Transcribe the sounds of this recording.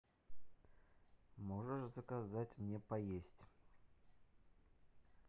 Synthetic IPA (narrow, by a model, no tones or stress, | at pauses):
moʐəʂzəkazatʲmnʲepɐjesʲtʲ